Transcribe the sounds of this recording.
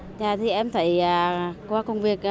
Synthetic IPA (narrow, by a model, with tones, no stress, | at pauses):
ɲaː˨˩t̪ʰi˨˩ʔɛ˧mt̪ʰə̰˧˩jaː˨˩kwaː˨˦kə˧wŋ͡mvi˨˩ək̚